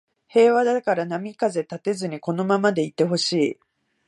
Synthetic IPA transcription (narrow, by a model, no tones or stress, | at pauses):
he̞ːβad̪akaɾanamʲikaze̞t̪at̪e̞zɨɲ̟iko̞no̞mamad̪e̞it̪ːe̞ɦo̞ɕiː